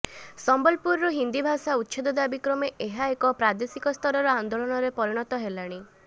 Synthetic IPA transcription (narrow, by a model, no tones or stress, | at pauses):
sɔmbɔlpuɾɾɔɦind̪ibʱasaut̪ːʃʰed̪ɔd̪abikɾɔmeʔeɦaekɔpɾad̪esikɔst̪ʰɔɾɔɾɔand̪olɔɽ̃ɔɾepɔɾiɽ̃ɔt̪ɔɦelaɽ̃i